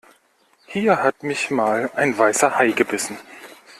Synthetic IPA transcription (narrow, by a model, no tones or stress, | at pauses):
hiːɐhatmɪçmaːlaɪnvaɪsɐhaɪɡəbɪsn̩